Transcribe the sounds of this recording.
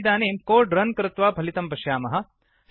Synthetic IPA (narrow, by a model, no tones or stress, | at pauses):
d̪aːneːmkoːɖɾɐnkɾɪt̪ʋaːbʱɐlit̪ɐmpɐʃjaːmɐɦɐ̆ | s